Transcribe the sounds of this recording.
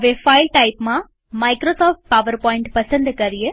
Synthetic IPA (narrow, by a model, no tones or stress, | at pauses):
əʋefailʈaipmã | maikɾosɔfʈ̚paʋəɾpɔĩɳʈpəsə̃nd̪kəɾije